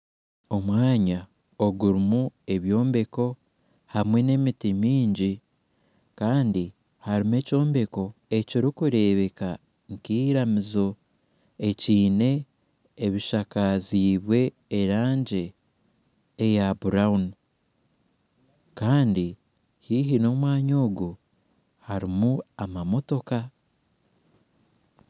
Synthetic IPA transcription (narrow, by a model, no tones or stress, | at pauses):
o̞mwaːɲa | oɡuɾimue̞βjo̞ːmbe̞ko̞ | hamwe̞ne̞mitimiːɲɟi | kaːndi | haɾime̞ːco̞ːmbe̞ko̞e̞ciɾikuɾe̞ːβe̞ka | ŋkiːɾamizo̞ | e̞ciːne̞ː | βiʃakaziːβwe̞ː | ɾaːɲɟe̞ | jabuɾaun | kaːndi | hiːɦino̞mwaːɲo̞ːɡu | haɾimuamamo̞to̞ka